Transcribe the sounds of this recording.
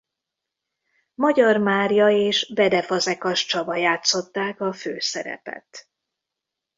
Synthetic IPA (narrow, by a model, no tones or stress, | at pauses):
mɒɟɒrmaːrjɒeːʃbɛd̪ɛfɒzɛkɒʃt͡ʃɒbɒjaːt̪so̞t̪ːaːkɒføːsɛ̰ɾɛ̰pɛ̰t̪